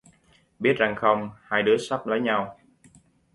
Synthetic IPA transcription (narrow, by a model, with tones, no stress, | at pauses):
ɓi˦˥ət̚za˨˩ŋxə˧wŋ͡mhaː˧jɗɨ˨˦əsa˦˥p̚ləː˨˦jɲa˧w